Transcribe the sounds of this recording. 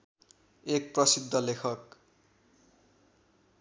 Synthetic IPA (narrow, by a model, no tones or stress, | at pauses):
ek̚prʌsid̪ʱːʌlekʰʌk